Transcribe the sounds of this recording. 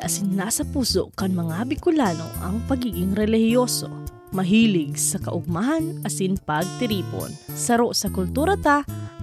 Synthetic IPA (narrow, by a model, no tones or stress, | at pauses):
ʔɐsɪnːaːsɐpuːsoʔkɐŋmɐŋabɪkʊlaːno̞̰ʔɐŋpɐɡiːɡɪŋɾɛlɪhɪjoːso | mɐɦiːlɪɡsɐkɐʔʊɡ̚maɦɐnʔɐsinpɐɡ̚t̪ɪɾiːpo̰nsɐɾoʔsɐkʊlt̪uːɾɐt̪a